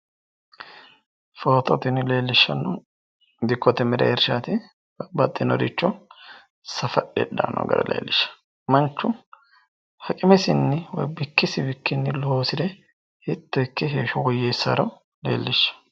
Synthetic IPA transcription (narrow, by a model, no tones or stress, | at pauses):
foːt̪ɔt̪ɪnɪle̞ːlːɪʃːɐnːɔ | d̪ɪkːɔt̪ɛmɛɾɛ̰ɛɾʃaːt̪ɪ | bɐbːɐt̪ʼːɪnɔɾɪt͡ʃːɔ | sɐfɐɗɛ̰ᶑa̰ːnɔ̰ɡɐ̰ɾɐ̰lḛːlːɪʃːɐ̥ | mɐnt͡ʃːʊ | hɐkʼɪmɛsɪnːɪwɔ̰jbɪkːɪsɪbɪkːɪnːɪlɔhoːsɪd̪ɛ | hɪt̪ːɔkːɛɦeːʃɔwɔjːeːsːɐ̰ɾɐ | lḛːlːɪʃːɐ̥